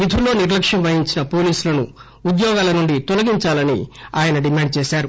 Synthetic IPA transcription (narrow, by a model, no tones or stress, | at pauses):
ʋid̪ʰʱulːo̞ːniɾlɐkʂjɐmʋɐjiɲt͡ʃinɐpo̞ːliːsulɐnu | ud̪jɔːɡaːlɐnuɳɖit̪ɔlɐɡiɲt͡ʃaːlɐnḭaːjɐnɐɖimaːɳɖ̚t͡ʃɛːʃaːɾu